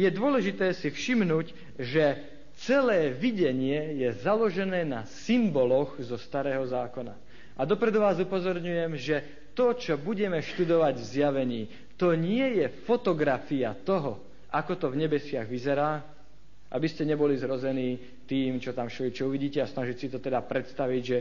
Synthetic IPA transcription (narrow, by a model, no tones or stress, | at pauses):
jɛd̪ʊɔlɛʒit̪ɛːsifʃimnuːc | ʒɛ | t͡sɛlɛːʋiɟɛɲɪɛjɛzalɔʒɛnɛːnasimbɔlɔɣzɔst̪aɾɛːɦɔzaːkɔna̰ | ʔad̪ɔpɾɛd̪ɔʋaːzupɔzɔɾɲujɛmʒɛ | t̪ɔt͡ʃɔbuɟɛmɛʃt̪ud̪ɔʋaɟvzjaʋɛɲiː | t̪ɔɲɪɛjɛfɔt̪ɔɡɾafiat̪ɔɦɔ | ʔakɔt̪ɔvɲɛbɛsɪaɣʋizɛɾaː | ʔa̰biscɛɲɛbɔlizɦɾɔzɛniː | t̪iːmt͡ʃɔt̪amʃɔit͡ʃɔuʋiɟiːcɛasnaʒicsit̪ɔt̪ɛd̪apɾɛt̪st̪aʋiɟʒɛ